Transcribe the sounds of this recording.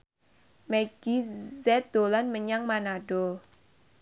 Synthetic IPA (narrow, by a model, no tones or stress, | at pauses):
mɛɡ̥izɛt̪̚d̪̥olanməɲaŋmanaɖ̥ɔ